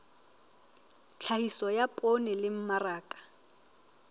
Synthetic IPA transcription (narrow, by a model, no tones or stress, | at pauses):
t͡ɬʰahisɔjapʼonɛlɪm̩maraːkʼḁ